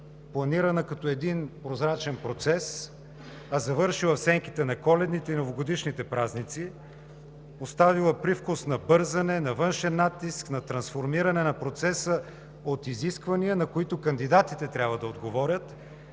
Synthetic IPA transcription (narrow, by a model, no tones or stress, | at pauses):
plˠɐniɾɐnɐkɐt̪ɔɛd̪inpɾozɾat͡ʃɛnpɾot̪sɛs | ɐzɐvɤɾʃilˠɐfsɛŋkit̪ɛnɐkɔlɛd̪nit̪ɛinovoɡod̪iʃnit̪ɛpɾaznit̪si | ost̪avilˠəpɾifkʊsnɐbɤɾzɐnɛnɐvɤnʃɛnːat̪ːisknɐt̪ɾɐnsfoɾmiɾɐnɛnɐpɾot̪sɛsə | ot̪iziskvɐniənɐkoit̪ʊkɐnd̪id̪at̪it̪ɛt̪ɾʲabvəd̪ɐod̪ɡovɔɾʲət̪